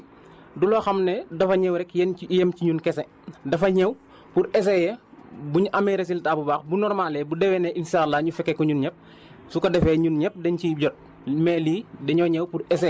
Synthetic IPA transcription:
dulɔxɐmnɛdɐfɐɲɛwɾɛkjɛnjɛmciɲunkɛsɛ | dɐfɐɲɛw | puɾɛs̬ɛjɛbuɲuʔɐmɛɾɛs̬iltabubaxbunɔrmalɛbudɛwɛnɛʔinʃalːaɲufɛkːɛkɔɲunɲɛp̚ | sukɐdɛfɛɲunɲɛp̚dɛnciɟɔt̚ | mɛliːdɛɲɔɲɛwpurɛs̬ɛ

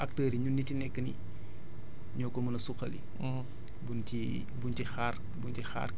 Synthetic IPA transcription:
ʔɐk̚təːɾiɲunːitinɛkːənḭ | ɲɔkɔmɐnɐsuxɐ̰lḭ | bunti | buntixar | buntixa̰ːr

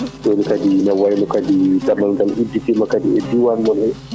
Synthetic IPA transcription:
dɔnikadinawajmɔkadidamalɡalʔudːitimakadiɛdiwanmɔlɛ

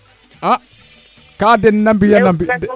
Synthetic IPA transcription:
ʔa | kadɛnnambijanambid

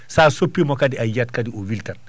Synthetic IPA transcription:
sasopːimɔkadiʔajat̚kadiowiltɐn

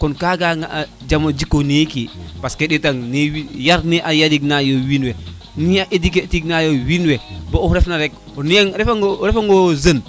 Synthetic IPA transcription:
kɔnkaɡaŋaʔa | d͡ʒamod͡ʒikːonikipaskeɗitaŋniwijaɾniʔajadiknajowinwe | niaʔediketiknajowinwebouɾɛfnaɾɛk̚neŋɾɛfaŋɾɛfaŋɡozən

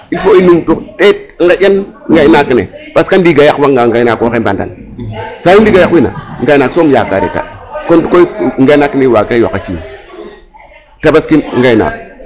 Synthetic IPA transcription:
infoinumtuktet̚ŋɡajʲanŋɡanakinḛb̥askandiɡajakwaŋɡaŋɡaiakokemba̰nda̰nsajudiɡajakwina̰ŋɡainasomja̰ka̰ɾḛka̰kontkoŋɡainakinewakawa̰kːat͡ʃḭn | tabaskinŋɡaina̰

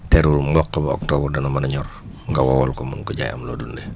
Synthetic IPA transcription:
t̪ɛɾulmɔkːabɔ̰k̚t̪obərdanamanəɲɔr | ŋɡawawɔlkomunkəd͡ʒa̰ja̰mlodundɛ

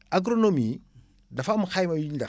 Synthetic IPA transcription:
aɡɾonomi | dafamuxajmaunda

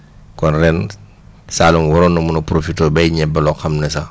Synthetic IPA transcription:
kɔnrɛn | saːlumwɔɾɔnːɐmunɐpɾofitɔːbɛjɲɛbːɐlɔxɐmnɛsa

